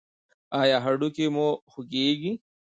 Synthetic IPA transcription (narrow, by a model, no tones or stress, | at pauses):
aːjaɦɐɖukimohuɡiɡi